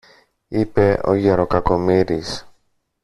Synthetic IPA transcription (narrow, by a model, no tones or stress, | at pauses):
ipe̞ʔo̞̰ʝeɾo̞kɐko̞miɾis